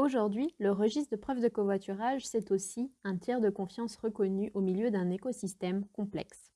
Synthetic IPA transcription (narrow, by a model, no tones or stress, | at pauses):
oʒuʁd̪ɥiləʁəʒist̪d̪əpχœvd̪əkovwat̪yʁaʒsɛt̪osiɛ̃t̪jɛʁd̪əkɔ̃fjɑ̃sʁəkɔnyʔomiljød̪ɛ̃nekɔsist̪ɛmkɔ̃plɛ̰ks